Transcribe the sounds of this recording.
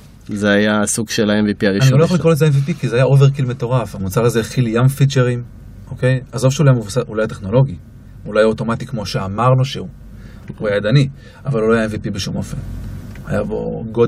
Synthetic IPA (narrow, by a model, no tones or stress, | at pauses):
zeajasuɡʃelaenvipiaʁianiojaχolikʁolezeenvipikizeajaʔove̞ʁkilme̞to̞ʁafhamut͡saʁazeχiljamfit͡ʃeʁim | ʔo̞ke̞jazofʃeulajamuvusaʔulajat̪e̞χno̞lo̞ɡi | ulajaoto̞mat̪ikmo̞ʃe̞amaʁnoʃeu | uajad̪ani | avaluloajaenvipibeʃumʔo̞̰fe̞̰na̰jabo̰ɡo